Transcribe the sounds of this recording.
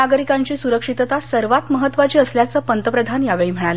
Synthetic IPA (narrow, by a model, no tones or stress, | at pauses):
aɡəɾikãɲt͡ɕiːsuɾəkʂit̪t̪asəɾʋat̪məɦət̪ʋat͡ɕiːəsljat͡səːpənt̪əpɾəd̪ʱanjaʋeɭiːm̤əɽ̃al